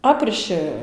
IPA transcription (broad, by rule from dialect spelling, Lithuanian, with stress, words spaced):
ˈɑːpʲrʲɪʃɨ